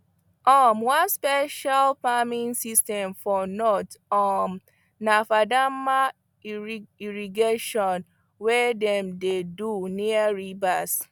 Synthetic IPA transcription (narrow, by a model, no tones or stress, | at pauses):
ɔmwãnspɛʃalfamĩnsistɛ̃mfɔnɔtɔm | nafadama | iɹiɡeʃɔ̃n | wɛdɛ̃mdeduniaɹibas